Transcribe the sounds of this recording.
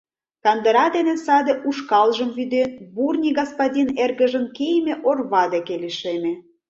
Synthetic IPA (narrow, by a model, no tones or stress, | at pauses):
kɑnd̪ə̆ɾɑd̪enĕsɑd̪eʔuʃkɑlʒə̆mβyd̪enburnʲiɡɑspɑdʲinerɣə̆ʒə̆nkejmeʔorβɑd̪ekeleʃemĕ